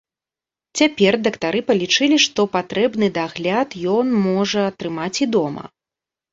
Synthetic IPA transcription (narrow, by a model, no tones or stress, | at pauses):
t͡sʲapʲɛrd̪ɐkt̪aɾɨpɐlʲit͡ʂɨlʲiʂt̪ɔpat̪ɾɛbnɨd̪aɣlʲat̪jɔnmɔʐɐːt̪ɾɨmat͡sʲid̪ɔmɐ̰